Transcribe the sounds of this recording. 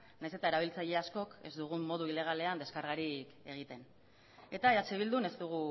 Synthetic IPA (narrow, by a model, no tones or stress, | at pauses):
najse̞t̪ae̞ɾaβ̞ilt͡saʎe̞asko̞ke̞zd̪uɣ̞ummo̞ðuile̞ɣ̞ale̞and̪e̞skaɾɣaɾike̞ɣ̞it̪e̞n | e̞t̪aeɾat͡seβild̪une̞zd̪uɣ̞u